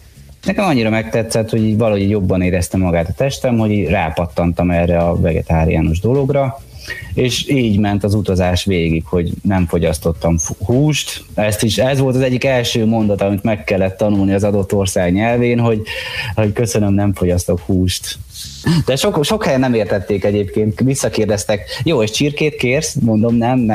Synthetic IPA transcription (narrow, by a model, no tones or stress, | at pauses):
nɛkɛmɒɲːiɾɒmɛk̚t̪ɛt̪sɛt̪hoɟiːɟvɒlɒho̞ɟiɟjo̞bːɒneːɾɛst̪ɛmːɒɡaːt̪ɒt̪ɛʃt̪ɛmho̞ɟiːɟraːpɒt̪ːɒnt̪ɒmɛːrɛɒvɛɡɛ̰t̪aːɾḭja̰ːno̞ʒd̪o̞lo̞ɡrɒ | eːʃiːɟmɛnt̪ɒzut̪ɒzaːʃʋeːɡikho̞ɟnɛɱfo̞ɟɒst̪o̞t̪ːɒmhuːʃt̪ɛst̪iʃɛzʋo̞lt̪ɒzɛɟːikɛlʃøːmo̞nd̪ɒt̪ɒmit̪mɛkːɛlːɛt̪ːɒnulniɒzɒd̪o̞t̪ːo̞rsaːɡɲɛlveːnɦo̞ɟho̞ckø̞sønømnɛɱfo̞ɟɒst̪o̞khuːʃt̪ | d̪̥ɛʃokʃo̞khɛjɛnːɛmeːrt̪ɛt̪ːeːkɛɟeːpkeːnt̪ʋisːɒkeːrd̪ɛst̪ɛkjoːeʃt͡ʃirkeːt̪keːrsmo̞nd̪o̞mnɛm